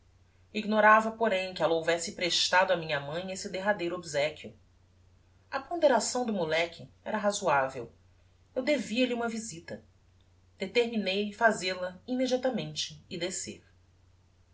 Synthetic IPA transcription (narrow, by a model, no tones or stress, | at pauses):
iɡnoɾavɐpoɾẽj̃kɪɛlɐowvɛsɪpɾeʃt̪ad̪ʊamĩɲɐmɐ̃j̃esɪd̪eɦad̪ejɾʊobizɛkjʊ | ɐpõd̪eɾasɐ̃w̃d̪ʊmulɛkʲʰɪɛɾɐɦazuavḛw | ewd̪eviɐlɪũmɐvizit̪ɐ | d̪̥et̪eɾminejlɪfazelɐimed͡ʒiat̪amẽnt͡ʃɪːd̪esḛɾ